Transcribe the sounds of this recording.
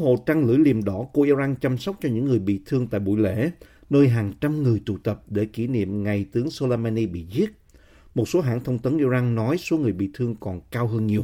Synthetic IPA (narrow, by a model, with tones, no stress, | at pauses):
ho̰˧˨t͡ɕa˧ŋlɨ̰˧˩˥jli˨˩əmɗɔ˧˩ku˧˩ʔi˧za˧nt͡ɕa˧msa˦˥wk͡p̚t͡ɕɔ˧ɲɨ̰˧˥ŋːɨ˨˩əjɓḭ˧˨t̪ʰɨ˧əŋt̪a̰ː˧˨jɓṵ˧˩˨jlḛ˧˥˨ | nəː˧jɦaː˨˩ŋt͡ɕa˧mŋɨ˨˩əjt̪ṵ˧˩t̪ə˨˩p̚ɗe˧˩ki˧˩nḭ˧˨əmŋa˨˩jt̪ɨ˨˦əŋso˧laː˧maː˧ni˧ɓḭ˧˨zi˦˥ət̚ | mo˨˩t̚so˨˦ɦa̰ː˧˨nt̪ʰə˧wŋ͡mt̪ə˨˦nʔi˧zaː˧nnɔ˨˦jso˨˦ŋɨ˨˩əjɓḭ˧˨t̪ʰɨ˧əŋkɔ˨˩nkaː˧wɦəː˧nɲi˨˩əw